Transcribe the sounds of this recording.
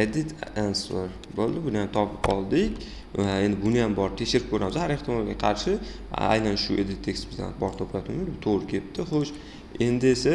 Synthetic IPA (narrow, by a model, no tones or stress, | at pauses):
ed̪ɪt̪ʰansoɾ | bolˠd̪ɪbʊnɪjamt̪ʰɒpʰɪpqʰɒlˠd̪ɪkʲ | ae̞nd̪ɪbʊnɪjambɒɾt̪ʰe̞kʲʃɪɾɪp̚kʰɵɾamɪzhaɾe̞χt̪ɪmɒlˠɡʲaqʰɑɾʃɪ | a̰jnanʃʊʔe̞d̪ɪt̪ʰːekʲsbɪzd̪a̰nbɒɾt̪ʰopʰlat̪ʰɪŋɪzbʊt̪ʰoʁɾɪkʲʰe̞p̚t̪ʰɪχoʃ | e̞nd̪ɪesa